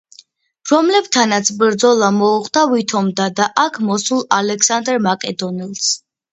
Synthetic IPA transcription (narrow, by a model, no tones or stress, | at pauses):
ɾɔmlɛbt̪ʰanat̪sʰbɾd̪zɔlˠamɔuʁd̪avit̪ʰɔmd̪ad̪aʔakʰmɔsulˠalɛkʰsand̪ɾmakʼɛd̪ɔnilˠs